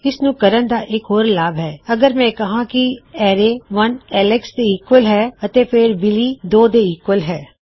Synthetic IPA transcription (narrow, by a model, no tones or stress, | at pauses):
ɪsnũːkəɾənd̪aːʔɪkɦoːɾlaːbɦɛːəɡəɾmɛ̃ːkəɦãːkɪɛːɾeːʋənɛːlɛksd̪eːɪkwəlɦɛːət̪eːpʰɪɾbɪliːd̪oːd̪eːɪkwəlɦɛː